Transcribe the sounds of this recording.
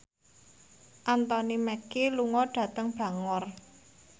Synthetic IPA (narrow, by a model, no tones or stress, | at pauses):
ʔant̪ɔnimɛkiluŋɔɖ̥ä̤t̪əŋb̥ä̤ŋɔr